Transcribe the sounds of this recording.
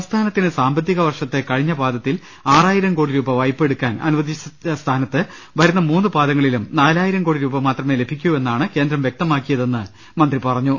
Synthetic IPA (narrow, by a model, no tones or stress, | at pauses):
st̪ʰaːnɐt̪ːinɨsaːmbɐt̪ːiɣɐʋɐrʂɐt̪ːekɐɻiɲːɐbaːd̪ɐt̪ːil | aːraːjiɾɐmkoːɽiɾuːbɐʋɐjpːe̞ɽukːaːnɐ̰nuʋɐd̪it͡ɕɐst̪ʰaːnɐt̪ːɨ | ʋɐɾunːɐmuːnːɨbaːd̪ɐŋːɐɭilumnaːlaːjiɾɐmkoːɽiɾuːbɐmaːt̪rɐme̞ːle̞bʱikʲːue̞nːaːɳɨke̞ːnd̪ɾɐmʋjek̚t̪ɐmaːkːijɐðe̞nːɨ | mɐnd̪ripɐrɐɲːu